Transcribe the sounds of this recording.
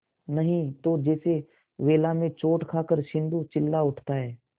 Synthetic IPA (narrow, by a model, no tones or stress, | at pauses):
nəɦĩt̪od͡ʒɛːse | ʋeːlamẽt͡ʃoːʈkʰaːkəɾʃɪ̃nd̪ut͡ʃɪlːaʊʈʰt̪aɦɛː